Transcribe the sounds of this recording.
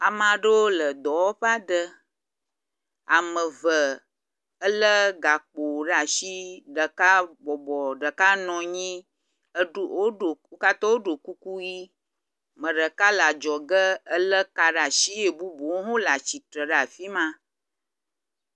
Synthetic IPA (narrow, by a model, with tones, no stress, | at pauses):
a˨mã˨ɖə˦wo˦lə˨d̪ɔ˨wo˦ɸa˦ɖə˦ | a˨mə̃˨və˨ | ə˦lə˦ɡa˨k͡po˨ɖa˨ʃi˦ɖə˨ka˦bɔ˨bɔ˨ɖə˨ka˦nɔ̃˨ɲĩ˦ | ə˦ɖo˦o˨o˦ka˦t̪ɔ˦wo˦ɖo˨ku˦ku˦ji˦ | mə̃˨ɖə˨ka˦la˨d͡ʒɔ˨ɡə˦ə˦lə˦ka˨ɖa˨ʃi˦e˨bu˦bo˨˦ɦũ˦la˨t͡ʃi˨t̪ɾə˨ɖa˨fi˦mã˦